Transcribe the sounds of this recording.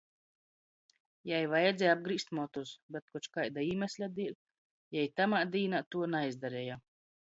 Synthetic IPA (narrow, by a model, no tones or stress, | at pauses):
jajvajɛd̪zʲɛab̚ɡɾiːst̪mɔt̪usbʲɛt̪̚kɔt͡ʃkajd̪aiːmʲɛsʲlʲad̪ilʲ | jajt̪amaːd̪iːnat̪uɔnajzd̪aɾɛja